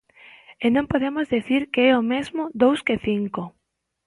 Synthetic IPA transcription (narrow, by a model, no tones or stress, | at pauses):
enõmpoðemʊzðiθiɾkeɛomezmʊd̪owskɪθiŋko